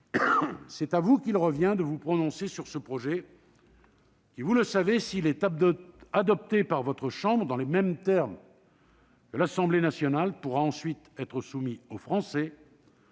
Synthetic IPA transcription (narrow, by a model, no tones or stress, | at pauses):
sɛt̪avukʲilʁəvjɛ̃d̪əvupχɔnɔ̃sesyʁsəpχɔʒɛ | kʲivuləsavesilɛt̪ | ad̪ɔp̚t̪epaʁvɔt̪χəʃɑ̃bʁəd̪ɑ̃lemɛmt̪ɛʁm | kəlasɑ̃blenasjɔnalpuʁaɑ̃sɥit̪ɛt̪χəsumiofχɑ̃sɛ